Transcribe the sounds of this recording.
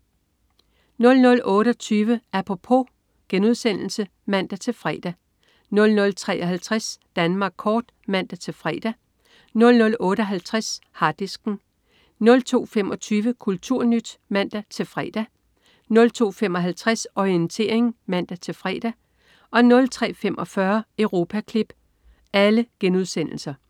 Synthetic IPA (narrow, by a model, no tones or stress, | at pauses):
nɔ̽lnɔ̽lʔɔ̽ːɾ̥ɒt͡sʰyːʋəʔæpʰʁo̝pʰo̝ | ɡ̥enuðˠsen̰l̩sə | mæn̰d̥æt͡sʰe̝lfʁɛ̰ːd̥æ | nɔ̽lnɔ̽lt͡sʰʁɛ̰ːʔɒ̽ɦælt͡sʰʁasd̥ænmɑ̈ːɡ̥̚kʰɒːd̥ | mæn̰d̥æt͡sʰe̝fʁɛ̰ːd̥æ | nɔ̽lnɔ̽lɔ̽ːɾ̥əɒɦælt͡sʰʁashɑ̈d̥isɡ̥n̩ | nlt͡sʰo̝̰ːfem̰ʔɒ̽t͡sʰyːʋəkʰult͡sʰuɐ̰nyd̥mæn̰d̥æt͡sʰe̝lfʁɛ̰ːd̥æ | nɔ̽lt͡sʰo̝̰ːfemɒ̽ɦælt͡sʰʁasɒient͡sʰe̝̰ɐ̰eŋmæn̰d̥æt͡sʰe̝lfʁɛ̰ːd̥æ | ɒ̽nɔ̽lt͡sʰʁɛ̰ːfem̰ʔɒ̽fɶɐəʊʁo̝ːpʰækʰlib̥ | æləɡ̥enuð̞ˠsen̰l̩sɐ